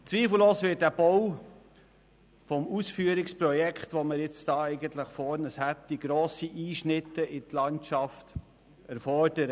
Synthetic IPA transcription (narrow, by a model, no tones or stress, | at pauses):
t͡sʋiːfl̩loːsʋɪt̚dæb̥ɔw | fɔmusfyːəɾɪkspɾɔjɛkχt̪ʋoməɾjɪt͡sd̥ɑːɛɪɡənt̪ləχfɔɾnəshætdiɡ̥ɾoːsiʔiːʃnɪt̪ːəʔɪt̪lɑntt͡ʃɑft | æɾfɔrd̥əɾə